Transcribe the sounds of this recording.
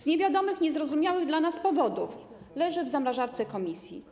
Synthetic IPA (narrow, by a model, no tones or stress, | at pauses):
z̥ɲɛvʲjad̪ɔmɘxɲɛzɾɔzumʲjawɘɣd̪lanaspɔvɔd̪uf | lɛʐɘvzamɾaʐaɾt̪sɛkɔmʲisʲjḭ